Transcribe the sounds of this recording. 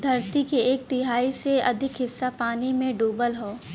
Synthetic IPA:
d̪ʱɐɾt̪ikeeːk̚t̪ɪɦaːiseɐd̪ʱɪkɦɪsːapaːnimẽɖoːbəlɦoː

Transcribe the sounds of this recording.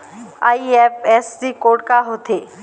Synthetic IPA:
aːiɛpɛːssikoːʈ̚kaɦoːt̪ʰeː

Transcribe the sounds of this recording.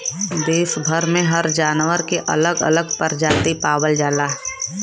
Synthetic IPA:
d̪eːʃbʱəɾmẽɦəɾd͡ʒaːnʋəɾkeʔɐ̰ləɡə̰ləɡpəɾd͡ʒaːt̪ipaːwəld͡ʒaːlaːɦ

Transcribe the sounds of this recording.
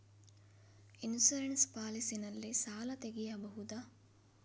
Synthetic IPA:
insuɾeɳspaːlisinɐlːisaːlɐt̪eɡijɐbɐɦud̪ɐ

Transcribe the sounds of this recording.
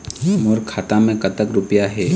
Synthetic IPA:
moɾkʰaːt̪amẽkɐt̪əkɾʊpjaɦɛː

